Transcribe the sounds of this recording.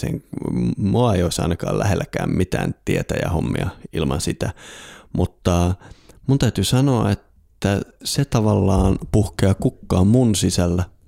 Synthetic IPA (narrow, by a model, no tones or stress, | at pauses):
sḛŋ | moɑejoisɑ̰inɑkɑ̰ːlæ̰helːækæ̰ːmmit̪æ̰ːnt̪iet̪æjɑ̰homːḭɑilmɑnsit̪æmut̪ːɑmunt̪æyt̪ysɑnoɑet̪ː | æset̪ɑʋɑlːɑːnpuhkeːkukːɑːmmunsisælːæ